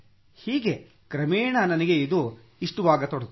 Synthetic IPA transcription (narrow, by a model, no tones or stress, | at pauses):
hiːɡe̞ | kɾɐmeːɳɐnɐnɐɡeid̪u | iʂʈuʋaːɡɐt̪oɽt̪